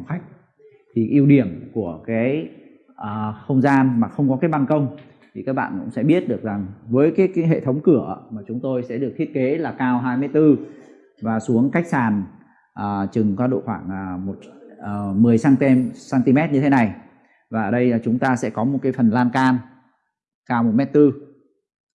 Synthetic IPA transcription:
ŋ͡mxa˦˥k̟̚ | t̪ʰi˨˩ʔi˧əwɗi˧˩əmku˧˩əkaː˨˦j | ʔəː˨˩xə˧wŋ͡mzaː˧nmaː˨˩xə˧wŋ͡mkɔ˨˦kaː˨˦jɓa˧˩nkə˧wŋ͡m | t̪ʰi˨˩kaː˦˥k̚ɓa̰ː˧˨kʊ̰˧˥ŋ͡msɛ̰˧˥ɓi˦˥ət̚ɗɨ˨˩ək̚za˨˩ŋvəː˨˦jkaː˨˦jkaː˨˦ɦḛ˧˨t̪ʰə˨˦wŋ͡mkɨ˧˩ə̰˧maː˨˩t͡ɕʊ˨˦ŋ͡mt̪o˧jsɛ̰˧˥ɗɨ˨ək̚t̪ʰi˦˥ət̚ke˨˦laː˨˩kaː˧wɦaː˧jmɨ˧əjt̪ɨ˧ | vaː˨˩su˨˦əŋka˦˥jk̟̚saː˨˩n | ʔəː˨˩t͡ɕɨ˨˩ŋkwaː˧ɗo̰˧˨xwaː˧˩ŋʔəː˨˩mo˨˩t̚əː˨˩mɨ˨˩əjsaː˧ŋ˧saː˧nt̪i˧mɛ˦˥t̚ɲɨ˧t̪e˨˦na˨˩j | vaː˨˩ʔəː˨˩ɗə˧ja˨˩t͡ɕʊ˨˦ŋ͡mt̪aː˧sɛ̰˧˥kɔ˨˦mo˨˩t̚kaː˨˦jfə˨˩nlaː˧nkaː˧n | kaː˧wmo˨˩mɛ˦˥t̚t̪ɨ˧

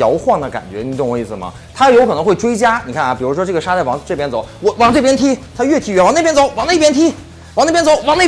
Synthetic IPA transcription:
jɑ˧˥ʊxwɑ˥˩ŋd̪ə˩ka̰˨˩nt͡ɕɥɛ̰˧˥˧ɤ˥˩ʊ˨˧˦i˥˩sɹ̩˩mɐ̰˩ | t̪ʰa˥jɑ˥˩jo˧˥kʰɤ˨˩ɤ˧˥ŋxwe˥˩ɪʈ͡ʂwe˥ɪt͡ɕja˥ni˨˩kʰa˥˩nɐ˩pi˨˩ɻu˧˥ʂwɔ˥ʈ͡ʂɤ˥˩ɡə˩ʂa˥t͡sa˥˩ɪwɑ˧˥ŋʈ͡ʂɤ˥˩pjɛ˥nt͡so˨˩˦ʊwɔ˧˩wɑ˧˥ŋʈ͡ʂɤ˥˩pjɛ˥nt̪ʰi˥t̪ʰa˥ɥɛ˥˩t̪ʰi˧˥˩ɥwɑ˧˥ŋn˥˩jnt͡so˨˩˦ʊwɑ˧˥ŋne˥˩pjɛ˥nt̪ʰi˥ | wɑ˧˥ŋn˥˩˧jnt͡so˧˦ʊwɑ˧˥ŋne˥˩

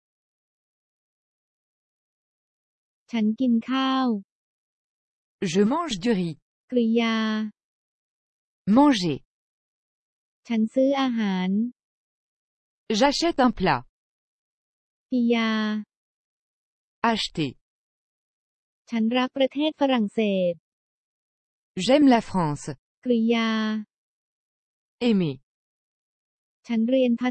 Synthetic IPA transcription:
t͡ɕʰa˦˥nki˧nkʰaː˥˩w | ʒəmɑ̃ʒd̪yʁi | kɾi˧jaː˧ | mɑ̃ʒe | t͡ɕʰa˦˥nsɯː˦˥ʔaː˧ɦaː˩˦n | ʒaʃɛt̪ɛ̃pla̰ | fʰi˧jaː˧ | aʃt̪ḛ | t͡ɕʰa˦˥nɾa˦˥k̚ːɾa˧t̪ʰeː˥˩t̪̚fa˧ɾa˨˩ŋseː˨˩t̪̚ | ʒɛmlafχɑ̃ː˧s | kɾi˧jaː˧ | eme | t͡ɕʰa˦˥nɾi˧ənp̪ʰa˦˥

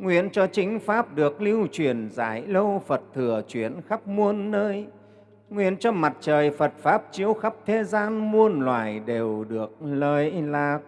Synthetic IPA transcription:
ŋwi˧˩ənt͡ɕɔ˧t͡ɕï˨˦ŋ̟faː˦˥p̚ɗɨ˨˩ək̚li˧wt͡ɕwi˨˧˩ənza̰ː˧˩jlə˧wfə˨˩t̚t̪ʰɨ˨˩ət͡ɕwi˧˩ənxa˦˥p̚mu˧ənːəː˧j | ŋwi˧˩ənt͡ɕɔ˧ma˨˩t̚t͡ɕəː˨˩jfə˨˩t̚faː˦˥p̚t͡ɕi˨˧˦əwxa˦˥p̚t̪ʰe˧˦zaː˧nmu˧ənlwa̰ː˧˨˩jɗe˨˩wɗɨ˨˩ək̚ləː˨˩jlaː˨˩

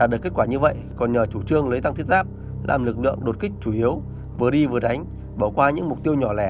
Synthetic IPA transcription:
aː˨˩ɗɨ˨˩ke˦˥t̚kwaː˧˩ɲɨ˧və̰˧˨jkɔ˨˩nɲəː˨˩t͡ɕu˧˩t͡ɕɨ˧əŋləː˨˦jt̪a˧ŋt̪ʰi˦˥t̚zaː˦˥p̚ | lʔa̰ː˨˩mlɨ˨˩k̚lɨ̰˧˨əŋɗo˨˩t̚kï˦˥k̟̚t͡ɕu˧˩ʔi˨˦əw | vɨ˨˩əɗi˧vɨ˨˩əɗa˨˦jŋ̟ | ɓaː˧˩wkwaː˧ɲɨ̰˧˥ŋmʊ˨˩k͡p̚t̪i˧əwɲɔ˧˩lɛ˧˩

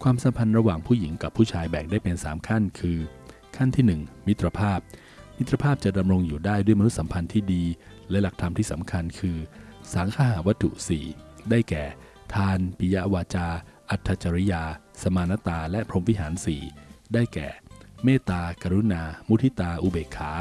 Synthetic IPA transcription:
kʰwaː˧msa˨˩˦mpʰa˧nɾa˧waː˨˩ŋpʰuː˥˩ji˩˦ŋka˨˩pʰːuː˥˩t͡ɕʰaː˧jbɛː˨˩k̚daː˥˩jpe˧nsaː˩˦mkʰa˥˩nkʰɯː˧ | kʰa˥˩nt̪ʰiː˥˩nɯ˨˩ŋmi˦˥t̪ɾa˧pʰaː˥˩p̚ | mi˦˥t̪ɾa˧pʰaː˥˩p̚t͡ɕa˨˩da˧mɾo˧ŋjuː˨˩daː˥˩jdu˥˩əjma˧nu˦t̪̚sa˩˦mpʰa˧nt̪ʰiː˥˩diː˧ | lɛ˦˥la˨˩k̚t̪ʰa˧mt̪ʰiː˥˩sa˩˦mkʰa˧nkʰɯː˧saː˩˦ŋk̪ʰaː˦˧ɦaː˩˦wa˦˥t̪ʰːṵ˨˩sḭː˨˩daː˥˩jkɛː˨˩ | t̪ʰaː˧npʰi˧ja˦ʔwaː˧t͡ɕaː˧ʔa˨˩t̪ʰːa˧t͡ɕa˧ɾi˦˥jaː˧ | sa˧maː˧na˦˥t̪aː˧lɛ˦˥ʔpʰɾo˧mwi˦˥ɦaː˩˦nsiː˨˩daː˥˩jkɛː˨˩meː˥˩t̪aː˧ka˧ɾu˦˥naː˧mu˦˥t̪ʰi˦˥t̪aː˧ʔu˧beː˨˩kʰːaː˩˦

